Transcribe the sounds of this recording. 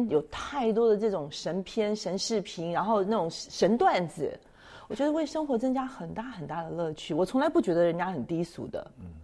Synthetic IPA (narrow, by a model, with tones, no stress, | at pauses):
njo˨˩ʊt̪ʰa˥˩ɪt̪wɔ˥d̪ə˨ʈ͡ʂɤ˥˩ʈ͡ʂʊ˨˩ŋʂə˧˥npʰjɛ˥nʂə˧˥nʂɻ̩˥˩pʰi˧˥ŋɻa˧˥nxo˥˧ʊna˥˩ʊ˨˩ŋʂə˧˥nt̪wa˥˩nd͡zɹ̩˨˩ | wɔ˨˩t͡ɕɥɛ˧˥d̪ə˧we˥˩ɪʂɤ˥ŋxwɔ˧˥t͡sɤ˥ŋt͡ɕja˥xə˨˩nt̪a˥˩xə˨˩nt̪a˥˩d̪ə˩lɤ˥˧t͡ɕʰy˥˩wɔ˨˩t͡sʰʊ˧˥ŋla˧ɪpu˥˩t͡ɕɥɛ˧˥d̪ə˧ɻə˧˥nt͡ɕja˥xə˨˩nt̪i˥sṵ˨˩d̪ə̰˦